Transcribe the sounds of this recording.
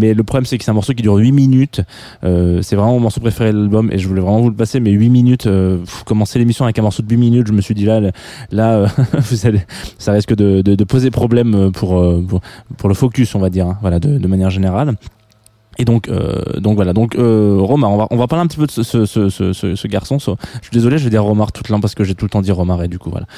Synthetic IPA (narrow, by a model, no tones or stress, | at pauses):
mɛləpχɔblɛmsɛkə̥sɛt̪ɛ̃mɔʁsok̬ʲid̪yʁɥiminyt̪ | øsɛvʁɛmɑ̃mɔʁsopχefeʁelalbɔmʔḛʒəvulɛvʁɛmɑ̃vuləpasemɛɥiminyt̪øvukɔmɑ̃selemisjɔ̃avɛkɛ̃mɔʁsod̪əɥiminyt̪ʒəməsɥid̪ila | laøvuzalesaʁiskəd̪əd̪əd̪əpozed̪epχɔblɛmøpʰuʁøpuʁpuʁləfɔkʲysɔ̃vad̪iʁɛ̃vwalad̪əd̪əmanjɛʁʒeneʁal | ed̪ɔ̃kʰø̰d̪ɔ̃kvwalad̪ɔ̃køʁɔmaʁɔ̃vaʔɔ̃vapaʁleɛ̃pət̪ipød̪əsəsəsəsəsəsəɡaʁsɔ̃sɔəʃɥid̪ezɔleʒəvɛd̪iʁːɔmaʁt̪u̥t̪lɑ̃paʁsə̥kəʒet̪ulət̪ɑ̃d̪iʁɔmaʁed̪ykuvwa̰la̰